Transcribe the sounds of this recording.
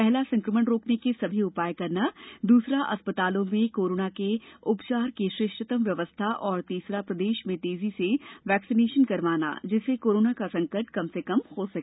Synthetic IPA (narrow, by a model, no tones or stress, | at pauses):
pɛɦlasɐ̃ŋkɾəməɽɾoːknekesɐbʱiʊpaːjkɐɾnad̪uːsɾaʔɐ̰spət̪aːlõmẽkoːɾoːnakeʊpt͡ʃaːɾkeʃɾɪʃʈʰət̪əmʋjɐʋəst̪ʰaʔɔːɾt̪iːsɾapɾɐd̪eːʃmẽt̪eːziseʋɛːksineːʃənkɐɾʋaːna̰d͡ʒɪsekoːɾoːnakasɐ̃ŋkəɾʈkɐmsekɐmhoːsɐkː